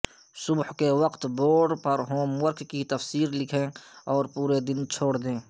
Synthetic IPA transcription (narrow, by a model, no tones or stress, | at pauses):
sʊbhkewəqt̪boːɾɖpɐɾɦoːmwəɾkkit̪ɐfsiːɾlɪkʰẽɔːɾpuːɾed̪ɪnt͡ʃʰoːɽd̪ẽː